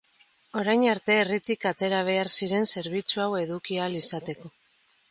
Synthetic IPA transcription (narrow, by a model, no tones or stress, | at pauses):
o̞ɾajɲaɾt̪e̞ːrit̪ikat̪e̞ɾaβ̞e̞aɾsiɾe̞nse̞ɾβ̞it͡suawe̞ðukialisat̪e̞ko̞